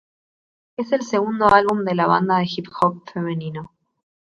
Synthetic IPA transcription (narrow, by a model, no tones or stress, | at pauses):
ese̞lseɣund̪o̞alβumd̪e̞laβa̰nd̪aðexipxok̚fe̞me̞nĩno